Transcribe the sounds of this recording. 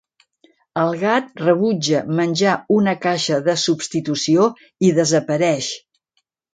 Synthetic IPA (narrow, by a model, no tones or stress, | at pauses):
əlˠɣat̪̚rəβud͡ʒəmənʲd͡ʒaunəkaʃəðəsupst̪it̪usio | iðəzəpəɾɛʃ